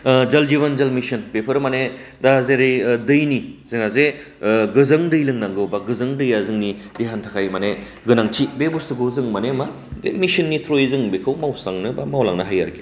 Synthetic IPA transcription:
d͡ʒɐld͡ʒiβɐnd͡ʒɐlmisɯnpepʰɯɾmanedazeɾijdɯjnizɯŋazeɡɯzɯŋdɯjlɯŋnaŋɡɯwbaɡɯzɯŋdɯjazɯŋni | diɦantʰakʰajmane | ɡɯnaŋtʰit̚bebuɾsɯɡozɯŋmanema | demisinːitʰɾojzɯŋbekʰɯwmawsaŋnɯbamawlaŋnɯɦaja̰ɾɡi

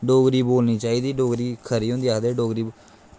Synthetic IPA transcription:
ɖoːɡɾiːboːlniːt͡ʃaːiːd̪iːɖoːɡɾiːkʰəɾiːõːnd̪iːaːd̪eːɖoːɡɾiː

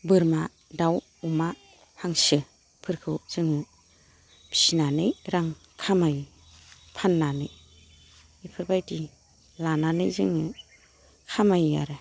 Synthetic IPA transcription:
bɯɾma | daw | uma | pʰaŋsɯ | pʰɯɾkʰɯwz̥ɯŋu | bʰi̥sinanɯjɾaŋ | kʰamaj | pʰanːanɯj | ipʰɯɾbajti | lananɯjzɯŋɯ | kʰamaja̰ɾɯ

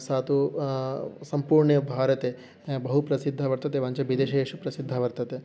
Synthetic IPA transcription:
saːt̪u | sɐmpuːɾɳejbʱaːɾɐt̪eː | bɐɦupɾɐsid̪ʱːɐʋɐɾt̪ɐt̪eʋɐɲt͡ʃɐʋid̪eːʃɐeːʃupɾɐsid̪ʱːɐʋɐɾt̪ɐt̪e

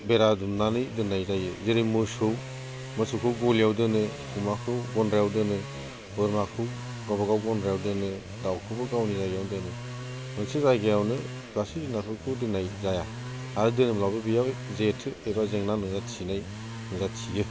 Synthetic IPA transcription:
beɾadumnanɯjdɯnajzajɯzeɾɯmɯsɯw | mɯsɯkʰɯɡɔljawdɯnɯ | kʰumakʰɯwɡɔnɾjawdɯnɯ | bɯɾmakʰɯ | ɡabaɡawɡɔnɾejawdɯnɯ | dawkʰɯbɯɡawnizaɡjawdɯnɯ | mɯnsɯzajɡejawnɯ | ɡasidinasʰɯwkʰɯdɯnajzaja | aɾɯdɯnɯmlawbɯbijawzetʰɯebazeŋnanɯzatʰinaj | nɯzatʰijɯ

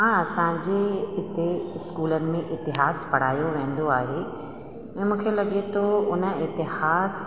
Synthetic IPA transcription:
ãɐsãd͡ʑeɪt̪eɪskuːlənɪ̆mẽʔɪt̪ɪɦaːspɐɽ̤aːjoʋẽːn̆d̪oaːɦe | ɛ̃ːmũːkʰelɐɠet̪ʰoʊnəɪt̪ɪɦaːs

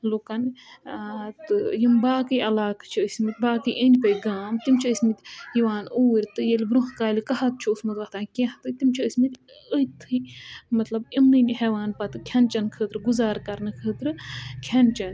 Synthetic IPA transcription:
lukɐn | t̪ɨjimbaːkɨjʔɐlaːkt͡ʃʰiəsʲmit̪ʲbaːkɨjʔənpɐjɡaːmt̪imt͡ʃʰiəsʲmit̪ʲjiʋaːnuːɾʲt̪ɨjɐlʲbɾuɦkaːlikɐɦɐt̪̚t͡ʃʰuusmɐt̪ʋɐht̪ʰaːnkʲẽht̪ɨt̪imt͡ʃʰiəsʲmit̪ | əjt̪ʰɨmɐt̪lɐbimnɨnʲɦeʋaːnpɐt̪ɨkʲʰɐnt͡ʃɐnkʰət̪ɾɨɡuzaːɾkɐɾnɨkʰət̪ɾɨkʲʰɐnt͡ʃɐn

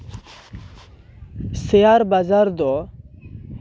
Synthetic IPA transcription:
seaɾbazaɾd̪ɔ

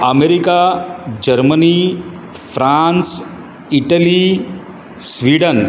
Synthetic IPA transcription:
əmeɾikad͡ʑəɾməni | fɾãns | iʈəli | sʋiːɖən

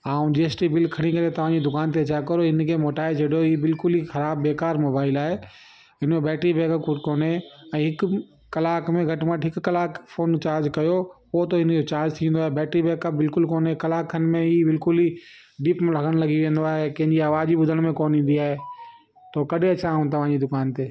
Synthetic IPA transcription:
aːũd͡ʑeːsʈibɪlkʰɐɽ̃ikɐɾet̪ɐʋ̤ãd͡ʑid̪ʊkaːnt̪̬eɐt͡ɕʰaːkɐɾoɪnkʰeːmoːʈaːet͡ɕʰɐɽijoiːbɪlkʊlixɐɾaːbːeːkaːɾmoːbaːɪlaːɦe | ɦɪnmẽbɛːʈɾibeːkəkoːneɛ̃ːɦɪk | kɐlaːkmẽɡʱɐʈməʈɦɪkkɐlaːkfoːnt͡ɕaːɾd͡ʑkɐjopot̪oɪnd͡ʑot͡ɕaːɾd͡ʑt̪ʰĩːnd̪oaːɦebɛːʈɾibɛːkəp̚bɪlkʊlkoːnekɐlaːkənɪ̆mẽiːbɪlkʊliː | ɖiːpmlɐɡəɽ̃lɐɡiʋẽːnd̪oaːɦekɐ̃ɦɪ̃ɲd͡ʑiaːʋaːd͡ʑibʊd̪ʱəɽ̃mẽkoːnĩːn̆d̪iaːɦe | t̪okɐɗʱeɐt͡ɕʰaũt̪ɐʋ̤ãːd͡ʑid̪ʊkaːnt̪eː

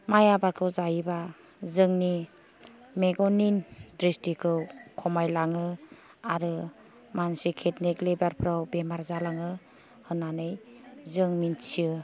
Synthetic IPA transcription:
majabaɾkʰɯwzajiba | zɯŋni | meɡɔnindɾistikʰɯwkʰɔmajlaŋɯ | aɾɯ | mansikʰetneklebaɾpʰɾawbemaɾzalaŋɯ | hɯnanɯjzɯŋmint͡ʃʰiɯ

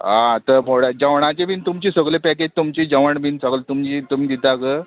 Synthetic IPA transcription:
ãt̪əɾboɽad͡ʑəʋɳat͡ɕebʱiːnt̪umt͡ɕiːsəɡlepɛked͡ʑt̪umt͡ɕiːd͡ʑəʋəɳbʱinsəɡlt̪umt͡ɕit̪umiːd̪it̪akə

